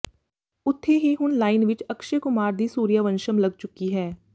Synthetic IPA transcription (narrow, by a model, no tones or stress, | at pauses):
ʊt̪ʰːeɦiɦʊnlaːɪnʋɪt͡ʃɐkʃekʊmaːɾd̪iːsuːɾjaʋə̃nʃəmlɐɡ̚t͡ʃʊkiɦɛː